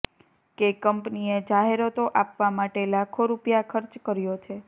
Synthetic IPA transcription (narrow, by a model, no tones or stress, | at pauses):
kekəmpnied͡ʒaɦeɾot̪oʔapʋamaʈelakʰoɾupjakʰəɾt͡ʃkəɾjot͡ʃʰe